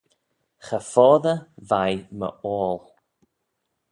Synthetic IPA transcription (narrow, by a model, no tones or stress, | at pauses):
xəfɔːðəvajmə̰ɔːlˠ